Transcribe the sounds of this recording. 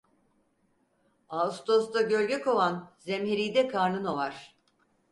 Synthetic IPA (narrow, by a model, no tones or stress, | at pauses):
ast̪osd̪aɟølʲɟɛkʰo̞vanzɛmɦeɾijd̪ɛkʰaɾnɯnovaɾ̥